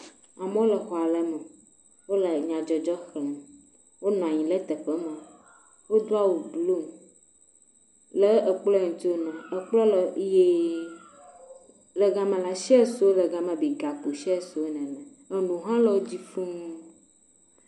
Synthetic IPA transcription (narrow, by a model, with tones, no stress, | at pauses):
a˨m˦o˦lɛ˨xɔ˨a˨lɛ˦mɛ̃˨ | wo˦lə˨ɲã˨d͡ʒɔ˨d͡ʒɔ˦xlɛ̃˨m | wo˦n˨ã˨ɲĩ˨lɛ˦t̪ɛ˨ɸɛ˦mɛ̃˨ | wo˦d̪o˦a˦wu˨blu˦m | lɛ˦ə˨k͡plɔ˦˨ŋũ˨t̪o˦nɛ̃˨ə˨k͡plɔ˦lɛ˨je˨ | le˨ɡa˨mẽ˨la˦ʃɛ˦su˨˦o˦lə˨ɡa˨mɛ̃˨bi˨ɡa˨k͡pu˨ʃɛ˦˨su˨wo˦nɛ̃˨nɛ̃˨ | e˨nũ˨ɦã˦lɔ˨wo˦d͡ʑi˦fu˦ŋũ˦